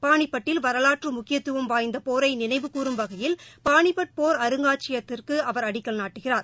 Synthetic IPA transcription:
paːɳɪpːɐʈːɪlʋɐɾɐlaːʈrɯmʊkːɪjɐt̪ːɯʋɯmʋaːjnd̪ɐpoːɾɐɪnɪnɐɪʋɯkuːrɯmʋɐɣɐjɪlpaːɳɪpːɐʈ̚poːɾɐɾɯŋɡaːt͡ʃɪjɐt̪ːɪrkɯɐʋɐɾɐɽɪkːɐlnaːʈːɯɣɪraːɾ

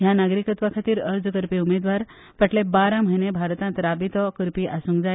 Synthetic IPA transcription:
ɦjãnaɡɾikət̪ʋakʰat̪iːɾəɾd͡zkəɾpiumed̪ʋaɾ | pəʈlebaɾãməɦinebʱaɾt̪ãnt̪ɾabit̪ɔkəɾpiʔasũŋɡd͡za

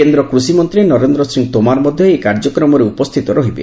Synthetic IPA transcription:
end̪ɾɔkɾusimɔnt̪ɾenɔɾend̪ɾɔsɾiŋɡt̪omaɾɔmɔd̪ʱjɔekaɾd͡ʒɔkɾɔmɔɾeupɔst̪ʰit̪ɔɾɔɦibḛ

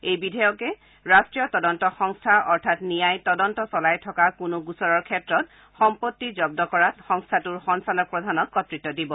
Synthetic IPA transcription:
ejbidʱɛjɔkɛ | ɹastɹijɔtɔdɔntɔxɔŋstʰaʔɔɹtʰatnijajtɔdɔntɔsɔlajtʰɔkakʊnʊɡusɔɹɔɹkʰɛtɹɔt̚ | xɔmpotːizɔb̚dɔkɔɹatxɔŋstʰatuɹxɔŋsalɔk̚pɹɔdʱanɔkːɔtɹitːɔdibɔ

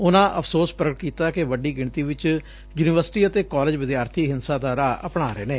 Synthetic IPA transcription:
ʊnãːʔəpʰsoːspɾəɡɪʈkiːt̪aːkeʋəɖiːɡɪɳ̃t̪iːʋɪt͡ʃ | juːniːʋəɾsʈiːət̪eːkɔːleːd͡ʒʋɪd̪jaːɾt̪ʰiːɦɪnsãːd̪aːɾaːʔəpɽaːɾeːneː

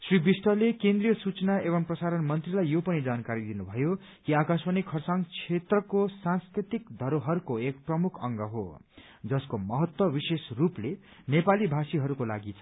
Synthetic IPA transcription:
sribisʈʌlekẽnd̪rijʌsut͡sʌnaeβʌmprʌsaɾʌnmʌnt̪rilajjopʌnid͡zankaɾid̪inubʱʌjo | kiakaswʌnikʰːʌrsaŋt͡sʰet̪rʌkosãnskɾrit̪ikd̪ʱʌɾoɦʌɾukoekprʌmukʰʌŋɡʌɦo̰ | d͡zʌskomʌɦʌt̪wʌbisesruple | nepalibʱasiɦʌɾukola̰ɡit͡sʰʌ

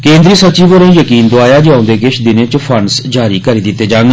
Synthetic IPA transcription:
kẽːnd̪ɾiːsət͡ʃiːʋoːɾẽːjəkiːnd̪oaːjaːd͡ʒãːʊ̃d̪eːkɪʃʰd̪ɪnẽːt͡ʃpʰənsd͡ʒaːɾiːkəɾiːd̪ɪt̪ːeːd͡ʒaːŋɡ

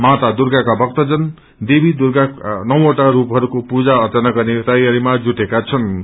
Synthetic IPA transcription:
mat̪ad̪urɡakabʌk̚t̪ʌd͡zʌn | d̪ebʱid̪urɡanʌwoʈaɾupɦʌɾukopud͡zaʌt̪ʌnaɡʌrnet̪ʌjaɾimad͡zuʈekat͡sʰʌn

